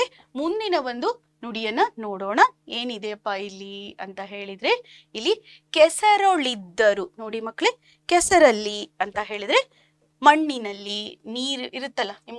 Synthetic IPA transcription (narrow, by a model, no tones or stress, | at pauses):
emund̪inɐʋond̪u | nuɽijɐnːɐnoːɽoːɳɐeːnid̪eɐpːailːiɐnt̪ɐɦe̞ːɭid̪ɾe̞ | ilːi | kɛsɐɾoɭid̪ːɐɾunoːɽimɐkːɭe̞ | kɛsɐɾɐlːiɐnt̪ɐɦeːɭid̪ɾe̞ | mɐɳːinɐlːiniːɾuiɾut̪ːɐlːɐnim